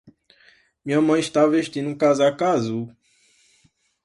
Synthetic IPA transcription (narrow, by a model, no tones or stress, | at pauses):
mĩɲɐmɐ̃j̃iʃt̪aveʃt̪ĩnũkazakazu